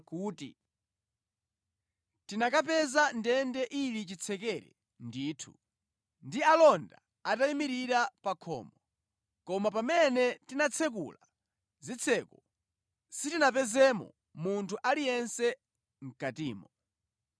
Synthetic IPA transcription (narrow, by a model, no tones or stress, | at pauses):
kuːtḭ | tinakap̬ɛzandɛndɛʔilit͡ʃit͡sʰɛkɛɾɛ̰ | ndiːtʰu | ndialɔnda | ataimiɾiɾapakʰɔ̰ːmbɔ | kɔmapamɛnɛtinat͡sʰɛk̬ṵla | zit͡sʰɛkɔ | sitinap̬ɛzɛmɔ̰ | muntʰuʔalijɛnsɛ | ŋ̩katḭːmɔ